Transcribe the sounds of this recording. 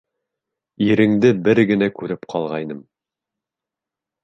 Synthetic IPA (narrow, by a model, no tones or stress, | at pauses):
iɾɘ̆ŋd̪ɘbɘɾɡɘ̆nækʉɾɘpqʰɑlˠʁɑjnɤm